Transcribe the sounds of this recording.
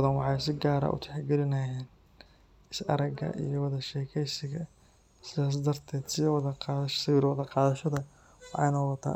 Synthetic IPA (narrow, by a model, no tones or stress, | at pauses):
ðɐnwɑħɑjsɪɡaːɾɐ̰ʔʊ̰t̪ʰɛ̥ħɑɡɛlɪnɐjɛːn | ɪsɐ̰ɾɐɡɐ̰ʔḭjɞwɑðɐʃɛːkʰɛjsɪɣɐ | sɪðaːs̬d̪ɐrt̪ʰɛːd̪sɪwɑðɐqɑːðʃsɪwiɾwɑðɐqɑːðɐʃɐðɐ | wɑ̰jnɔːwɑt̪ʰa̰ː